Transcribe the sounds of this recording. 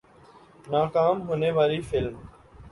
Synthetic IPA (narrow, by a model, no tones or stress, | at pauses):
naːkaːmɦoːneːʋaːɾiːfɪlm